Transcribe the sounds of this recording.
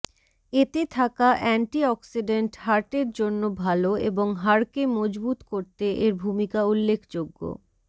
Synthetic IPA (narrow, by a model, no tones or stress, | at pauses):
et̪et̪ʰakaʔɛɳʈiɔksiɖeɳʈhaɾʈeɾd͡ʑonːobʱaloḛboŋɦaɾkemɔd͡ʑbut̪koɾt̪eʔeɾbʱumikaulːekʰd͡ʑoɡːo̰